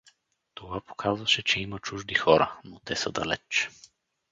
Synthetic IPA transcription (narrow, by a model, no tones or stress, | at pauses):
t̪ovapo̥kʰazvɐʃɛt͡ʃɛimɐt͡ʃuʒd̪ixɔɾə̰not̪ɛsəd̪ɐ̰lɛ̰t͡ʃ